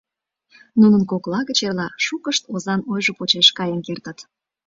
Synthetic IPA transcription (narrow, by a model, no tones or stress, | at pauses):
nunənkoklɑɣət͡ɕerlɑʃukəʃt̪ozɑnojʒopot͡ɕeʃkɑjənkert̪ət̪